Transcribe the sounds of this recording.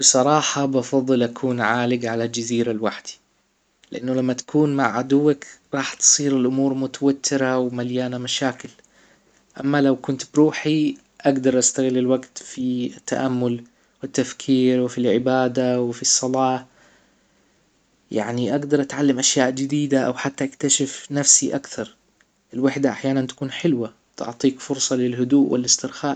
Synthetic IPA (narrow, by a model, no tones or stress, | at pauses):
b̥ɨsˤɑɾˤɑːħɑbɑfɑðˤːɨlʔakʰuːnʕaːlɪɡʕalald͡ʒaziːɾalwaħd̪̥i̥ | lɪʔanːʊlamːat̪ḁkʰuːnmaʕʕad̪ʊwːakɾˤɑːħt̪sˤiːɾɪlʔʊmuːɾˤmʊt̪awat̪ʰːɪɾawmaljaːnamaʃaːkɪl | ʔamːalawkʊnt̪bɾuːħi | ʔaɡd̪ɑɾˤʔast̪aɣɪlːɪlwaɡt̪fiɪt̪ːaʔamːʊl | wɪt̪ːafkʰiːɾwɪfilʕɪbaːd̪awɪfisˤːɑlɑː | ja̰ʕniʔaɡd̪ɑɾˤʔat̪ʕalːamʔaʃjaːʔd͡ʒɪd̪iːd̪aʔa̰wħat̪ːaʔakt̪aʃɪfnafsiʔakθɑɾˤ | ʔɪlwaħd̪aʔaħjaːnant̪ḁkuːnħɪlwa | t̪ʊ̰ʕt̪ˤiːkfʊɾsˤɑlɪlɦʊd̪uːʔwɪ̰lɪst̪ɪɾxaːʔ